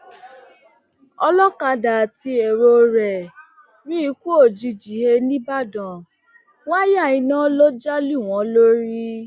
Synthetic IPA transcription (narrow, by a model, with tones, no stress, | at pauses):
ɔ˧lɔ˦ka˧da˨ti˧e˨ɾo˧ɾɛ˨ | ɾi˦i˦ku˦o˦˨d͡ʒi˧d͡ʒi˨he˧nĩ˦ba˦˨dɔ̃˨ | wa˦ja˦˨ĩ˨˧˦nã˦lo˦d͡ʒa˦li˦˨w̃ɔ̃˨˦lo˦ɾi˦